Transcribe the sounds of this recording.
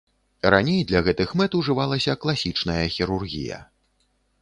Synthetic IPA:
ɾanʲejd̪lʲɐɣɛt̪ɨxmɛt̪uʐɨvalˠɐsʲɐklˠasʲit͡ʂnɐjɐxʲiɾurɣʲḭjɐ̰

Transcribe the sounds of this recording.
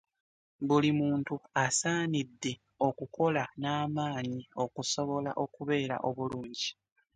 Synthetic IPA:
βulimuːntuasaːnidːe̞ | o̞kuko̞lanaːmaːɲio̞kuso̞βo̞laʔo̞kuβe̞ːɾa̰ʔo̞βuluːɲɟi

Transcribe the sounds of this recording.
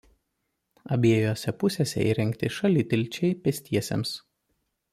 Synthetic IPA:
ɐbʲeɛjoːsʲɛpʊsʲeːsʲɛ̰ḭːɾʲɛŋʲkʲt̪ʲɪʃɐlʲɪt̪ʲɪlʲˑt͡ʃʲɛɪpʲɛsʲt̪ʲiɛsʲḛms

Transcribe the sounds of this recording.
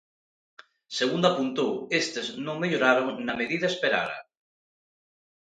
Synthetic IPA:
seɣ̞und̪apunt̪owest̪eznõŋmeʎoɾaɾonameðiðaespeɾa̰ɾa̰

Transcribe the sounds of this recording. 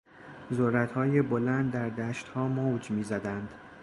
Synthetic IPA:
zoɾːæt̪hɒːjebolænd̪ːæɾd̪æːʃt̪hɒːmowd͡ʒmiːzæd̪ænd̪̥

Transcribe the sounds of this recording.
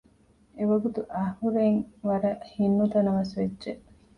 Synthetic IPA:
eʋɐɡut̪uʔɐhuɾeŋʋɐɾɐʔhinːut̪ɐnɐʋɐsʋedːʒeʔ

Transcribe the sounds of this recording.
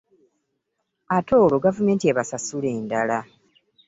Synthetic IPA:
ato̞ːlo̞ɡavume̞ːntieβasasule̞ːndala

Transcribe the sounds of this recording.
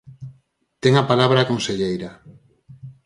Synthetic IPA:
t̪eŋapalaβɾaːkonseʎejɾa

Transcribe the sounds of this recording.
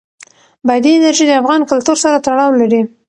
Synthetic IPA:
bad̪iɪnaɾʒid̪əafɣɑnkʊlt̪uɾsaɾat̪aɽɑwlaɾi

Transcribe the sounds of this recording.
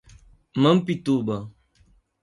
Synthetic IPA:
məm̩pitubə

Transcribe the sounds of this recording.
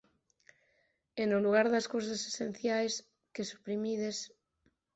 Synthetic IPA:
enoluɣaɾðaskowsasesẽn̟θjajs | kesu̥pɾimiðes

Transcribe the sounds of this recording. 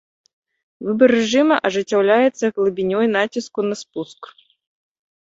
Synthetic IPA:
vɨbɐrɛʐɨmɐʔɐʐɨt͡sʲːawlʲajɛt̪sːɐɣlˠɨbʲinʲɔjnat͡sʲiskunɐspusk

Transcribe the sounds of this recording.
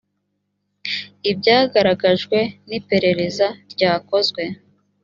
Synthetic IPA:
ibɟaːɡaɾaɡaʒɡwe̞nipe̞ɾe̞ɾe̞zaɾɟaːko̞zɡwe̞

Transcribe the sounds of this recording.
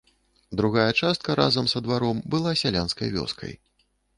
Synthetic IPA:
d̪ɾuɣajɐt͡ʂast̪kɐɾʔa̰zɐmzɐd̪vaɾɔmbɨlˠasʲalʲanskɐ̰jvʲɔ̰skʰɐ̰j

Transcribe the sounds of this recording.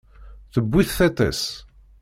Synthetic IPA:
θəbːiθθet̪ˤɛ̰s

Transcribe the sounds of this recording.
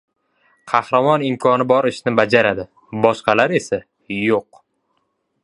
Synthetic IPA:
qʰɑhɾamɒnɪmkʰɒnɪbɒɾɪʃnɪbad͡ʒaɾad̪ɪ | bɒʃqɑlaɾe̞sa | joq̚

